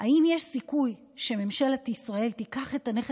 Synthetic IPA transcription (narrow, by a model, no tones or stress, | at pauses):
ʔaimjeʃsikuj | ʃeme̞mʃelet̪isʁae̞lt̪ikaχe̞taneχ